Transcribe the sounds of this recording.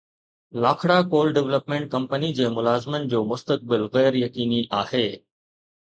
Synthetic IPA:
laːkʰɽakoːlɖɛʋləpmẽːɳʈ̚kɐ̃mpənid͡ʑeːmʊlaːzɪmənɪ̆d͡ʑoːmʊst̪ək̚bɪlɣɛːɾjɐkiːniʔaːheː

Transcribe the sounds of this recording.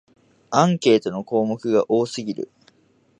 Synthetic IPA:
ãŋke̞ːt̪o̞no̞ko̞ːmo̞kɯ̟ɡaʔo̞ːsɨɡʲiɾɯ̟̰

